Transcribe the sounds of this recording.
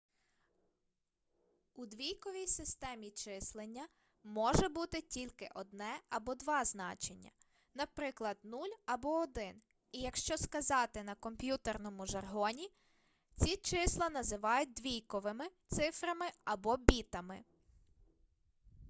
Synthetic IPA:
ud̪ʋʲijkɔʋʲijsɪst̪ɛmʲit͡ʃɪslˠenʲːɐ | mɔʒɛbut̪ɪtʲilʲkɪʔɔd̪̚nɛɐbɔd̪ʋɑznɑt͡ʃenʲːɐ̰ | nɐpɾɪklˠɐd̪nulʲɐbɔɔd̪ɪn | ijɐkʃt͡ʃɔskɐzɑt̪ɪnɐkɔmpʲjut̪ernɔmʊʒɐrɦɔnʲi | t͡sʲit͡ʃɪslˠɐnɐzɪʋɑjʊt̚ʲd̪ʋʲijkɔʋɪmɪt̪sɪfɾɐmɪɐbɔbʲit̪ɐmɪ̰

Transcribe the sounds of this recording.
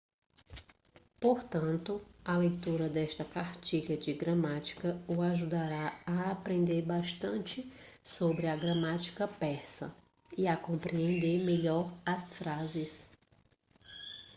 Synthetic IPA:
poɾt̪ɐ̃nt̪ʊɐlejt̪uɾɐd̪ɛʃt̪ɐkaɾt͡ʃiʎɐd͡ʒɪɡɾɐmat͡ʃi̥kɐʊaʒud̪aɾaɐːpɾẽnd̪eɾbaʃt̪ɐ̃nt͡ʃɪ | sobɾɪɐɡɾɐmat͡ʃi̥kɐpɛsɐ̰ | ɪakõmpɾiẽnd̪eɾmeʎɔɾɐsfɾazɪs

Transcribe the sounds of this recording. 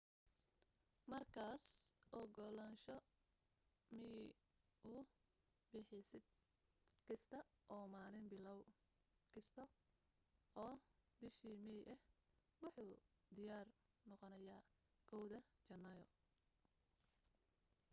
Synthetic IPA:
mɐrkʰaːsʔɔɡɔlɐnʃɔ | mɪ | ʔʊ | bɪħɪsɪd̪̚ | kʰɪst̪ʰɐʔɔːmaːlɪnbɪlɔw | kʰɪst̪ʰɔ | ɔːbɪʃiːmɛjʔɛh | wɑħuːd̪ɪjaːr | nɔqɔnɐjaː | kʰɔwðɐt͡ʃɐnːɐjɔ̰

